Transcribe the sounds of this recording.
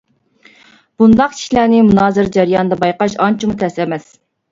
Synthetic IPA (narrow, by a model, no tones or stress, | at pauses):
b̥und̪ɑqt͡ʃʰi̥ʃlæːnɪmunɑːzɨɾd͡ʒæɾjɑːnd̪ɑbɑjqɑʃɑnt͡ʃʰimut̪ʰɛsɛmɛs